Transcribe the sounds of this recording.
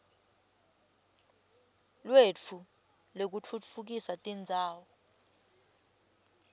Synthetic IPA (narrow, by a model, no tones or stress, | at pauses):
lwet͡fʰu | lok̬ut͡fʰut͡fʰfuk̬isatʼind͡zʱaːwɔ